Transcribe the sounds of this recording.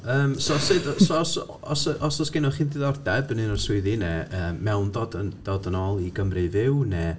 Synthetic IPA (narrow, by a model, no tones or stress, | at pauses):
əːmsɔsɨdsɔɔs | ɔsəʔɔsɔsɡ̥ɪnɔχiːndɨðɔrdɛbənɨnɔrswɪɨðinɛəːɛwndɔdənd̥ɔdənɔːlˠiɡəmrɨvɪwnɛ